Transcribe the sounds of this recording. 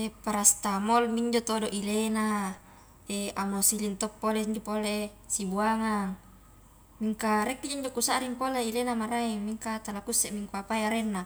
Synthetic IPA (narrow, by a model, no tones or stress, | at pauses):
epaɾast̪amolmiɲd͡ʒot̪odoʔilena | eamosilint̪ɔpːoleɲd͡ʒopole | sibuaŋaŋ | miŋkaɾɛkːid͡ʒoiɲd͡ʒokusaʔɾiŋpoleilenamaɾaimiŋkat̪alakusːɛʔmiŋkuapajaɾenːa